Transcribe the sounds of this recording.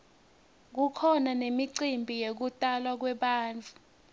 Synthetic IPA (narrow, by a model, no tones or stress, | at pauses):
k̬ukʰɔnanemiǀimbʱijek̬utʼalwak̬wɛɓaːnd͡ɮʱu